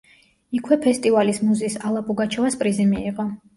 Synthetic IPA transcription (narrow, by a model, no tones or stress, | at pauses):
ikʰwɛpʰɛst̪ʼivalismuzisalˠapʼuɡat͡ʃʰɔvaspʼɾizimiːqʼɔ